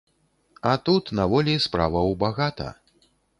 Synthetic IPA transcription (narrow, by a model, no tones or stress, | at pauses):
at̪ut̪navɔlʲispɾavɐwbaɣat̪ɐ̰